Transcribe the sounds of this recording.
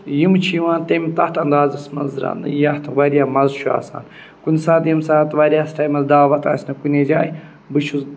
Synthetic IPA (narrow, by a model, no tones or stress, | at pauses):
jimt͡ʃʰijʋãːnt̪ɐmʲt̪ɐht̪ʰɐnd̪aːzɐsmɐnzɾa̰nɨjɐht̪ʰʋɐɾʲijaːmɐzt͡ʃʰua̰ːsa̰ːn | kunʲsaːt̪jimsaːt̪ʋɐɾʲjaːsʈaːjmɐzd̪aːʋɐt̪a̰ːsʲnɐkunʲed͡ʒaːj | bɨt͡ʃʰuz